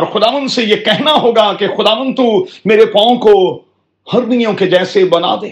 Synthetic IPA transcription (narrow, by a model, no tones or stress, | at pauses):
ɔːɾxʊd̪aːʋə̃nd̪sejekɛɦnaɦoːɡakexʊd̪aːʋə̃nd̪̚t̪umeːɾepɔ̃ːõko | hɐɾbijõked͡ʒɛːsebɐna̰ːd̪eː